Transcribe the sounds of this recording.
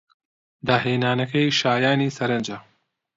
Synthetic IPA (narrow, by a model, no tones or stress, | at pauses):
d̪aːɦeːnaːnɐkɐjʃaːjaːniːsɐɾɐnd͡ʒa